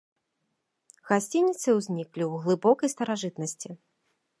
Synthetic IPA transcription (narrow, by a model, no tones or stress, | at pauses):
ɣasʲt͡sʲinʲːit̪sɨwzʲnʲiklʲiwɣlˠɨbɔkɐjst̪ɐɾaʐɨt̪nɐsʲt͡sʲi